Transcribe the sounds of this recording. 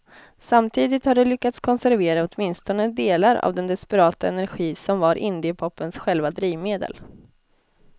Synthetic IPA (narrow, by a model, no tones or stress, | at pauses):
samt̪ʰiːd̪ɪt̪haɖɛlʏkːat̪skʰɔnsæɾveːɾaɔt̪mɪnst̪ɔnəd̪eːlaɾa̰vd̪ɛnd̪ɛspɛɾɑːt̪aɛnæɾɧiːsɔmvaɾʔɪnd̪ɪəpʰɔpːənsɧɛlvad̪ɾiːvmeːd̪ə̰l